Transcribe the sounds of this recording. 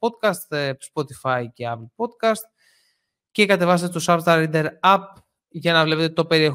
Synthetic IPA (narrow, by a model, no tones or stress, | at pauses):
od̪kɐst̪spot̪ifɐjceɐplpo̞d̪̚kɐst̪̚ | ce̞kɐt̪e̞vɐs̬et̪et̪osɐvst̪ɐɾid̪e̞ɾɐp̚ | ʝɐnɐvle̞pet̪et̪o̞pe̞ɾie̞